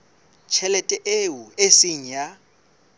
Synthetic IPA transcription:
t͡ʃʰɛlɛtʼɛʔewuesiɲ̩ja

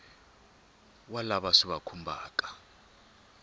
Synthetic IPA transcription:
walaɓaʂiβakʰumbʱaːkʼḁ

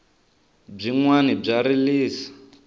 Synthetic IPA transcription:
b͡ʐiŋwanib͡ʐaɾiliːsḁ

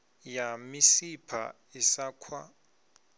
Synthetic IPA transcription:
jamisipʰa̰ | isakʰwa̰

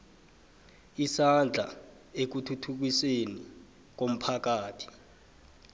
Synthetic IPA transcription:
isand͡ɮʱa̰ | ek̬utʰutʰuk̬iseni | k̬om̩pʰak̬aːtʰi̥

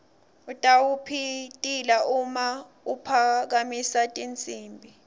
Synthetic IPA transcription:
utʼawupʰitʼilaʔuma | upʰak̬amisatʼint͡sʼiːmbʱi

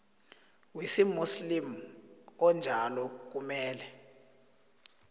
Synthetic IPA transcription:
wisimuslim | ɔnd͡ʒʱalɔk̬umɛːlɛ

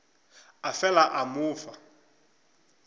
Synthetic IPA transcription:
afɛlaʔamʊːfa

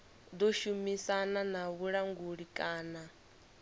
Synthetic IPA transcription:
d̪oʃumisananaβuɺaŋɡuɺikʼaːna

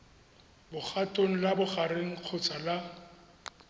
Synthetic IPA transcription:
bʊχatʼoŋ̩labʊχareŋ̩q͡χʰʊt͡sʼala

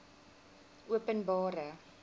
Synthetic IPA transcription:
uəpənbɑːɾə

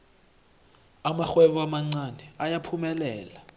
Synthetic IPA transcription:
amaxwɛɓuamaŋ͡ǀanɛajapʰumɛlɛːla

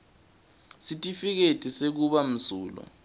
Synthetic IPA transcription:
sitʼifik̬etʼisek̬uɓam̩suːlɔ̰

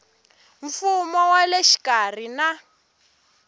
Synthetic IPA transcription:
ɱfumɔwaleʃi̥kar̤ina

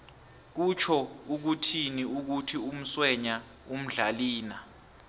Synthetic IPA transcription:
k̬ut͡ʃʰɔuk̬utʰiniuk̬utʰium̩swɛɲa | um̩ɮaliːna

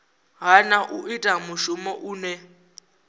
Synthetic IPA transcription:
ɦanaʔuʔitʼamuʃumɔʔuːnɛ

